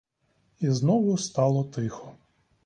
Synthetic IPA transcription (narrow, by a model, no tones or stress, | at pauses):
iznɔʋʊst̪ɑlˠɔt̪ɪxɔ